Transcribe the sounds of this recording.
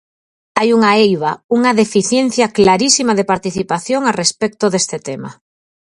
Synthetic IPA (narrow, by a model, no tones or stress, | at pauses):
ajuŋaejβ̞auŋaðefiθjen̟θjaklaɾisimaðepaɾt̪iθipaθjoŋarespɛk̚t̪oðest̪et̪ema̰